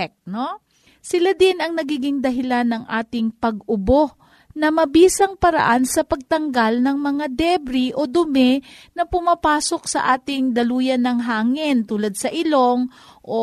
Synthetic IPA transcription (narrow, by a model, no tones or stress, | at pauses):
k̚no̞ | sɪlad̪ɪnɐŋnɐɡiːɡɪŋd̪ɐɦɪlanːɐŋʔaːt̪ɪŋpɐɡʔʊbo̞ | nɐmɐbiːsɐŋpɐɾɐ̰ʔansɐpɐɡ̚t̪ɐŋɡalnɐŋmɐŋad̪ɛbɾiʔo̞d̪ʊmɛnɐpʊmapaːso̞k̚sɐʔaːt̪ɪŋd̪ɐluːjɐnɐŋɦaːŋɪnt̪uːlɐd̪̚sɐʔɪlo̞ŋʔo